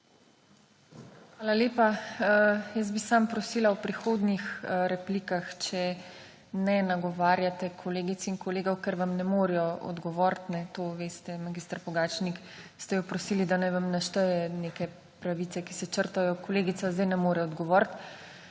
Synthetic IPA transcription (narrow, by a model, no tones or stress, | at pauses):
xʋaːlaleːpa | jəsbisampɾɔsiːlawpɾixoːd̪nixɾɛpliːkaxt͡ʃɛ | nɛnaɡɔʋaːɾjat̪ɛkʰɔleːɡit̪sinkɔleːɡɔwkɛɾʋamnɛmoːɾijɔɔ̰d̪ɡɔʋɔːɾt̪nɛt̪oːʋeːst̪ɛmaɡiːst̪ɾpɔɡaːt͡ʃnik | st̪ɛjɔpɾɔsiːlid̪anajʋamnaʃt̪ɛjɛneːkɛ | pɾaʋit̪sɛki̥sɛt͡ʃəɾt̪ajɔkɔleːɡit̪sazd̪ajnɛmoːɾɛɔd̪ɡɔʋɔːɾt̪